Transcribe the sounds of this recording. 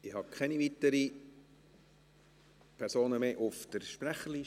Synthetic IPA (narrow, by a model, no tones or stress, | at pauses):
ɪhɑkʰɛnivit̪əɾi | pʰɛɾsoːnəmeːʔʊfd̥əɾʃpɾæχəli